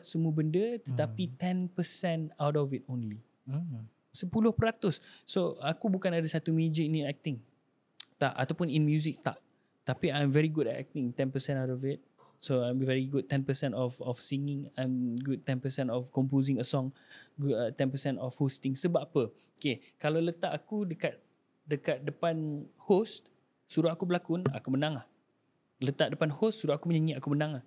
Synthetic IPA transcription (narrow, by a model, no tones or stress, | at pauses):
t̚səmũəbəndət̪ət̪apit̪ɛ̃npəsɛ̃nawtɔfit̚õnli | səpulʊhpəɾat̪ʊsːoakubukanadasat̪umẽd͡ʒəĩnitɛk̚t̪ɪ̃ŋ | t̪aʔa̰t̪awpʊninmjuzik̚t̪a̰ʔ | t̪apiãjmvɛɹiɡudɛtɛ̰k̚t̪ɪ̃ŋt̪ɛ̃npəsɛ̃nawtɔfɪt̪̚ | soajmvɛɹiɡud̚t̪ːɛ̃npəsɛ̃ntɔfɔfsĩŋɪ̃ŋãjmɡud̚t̪ɛ̃npəsɛ̃ntɔfkɔ̃mp̬ozĩŋəsɔ̃ŋɡut̪ɛ̃npəsɛ̃ntɔfhost̪ɪ̃ŋsəbapə | okekalalət̪aʔakudəkat̪̚ | dəkat̪̚dəpanhost̪ | suɾuhakubəlakʊna̰kumənãŋah | lət̪aʔdəpanhostsuɾuhakuməɲaɲiakumənãŋah